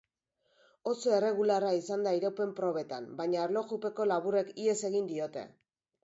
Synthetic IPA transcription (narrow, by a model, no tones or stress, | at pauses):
o̞soe̞re̞ɣ̞ularaisand̪aiɾowpe̞mpɾo̞βe̞t̪a̰mbaɲaːɾlo̞xupe̞ko̞laβure̞kie̞se̞ɣind̪io̞t̪e̞̰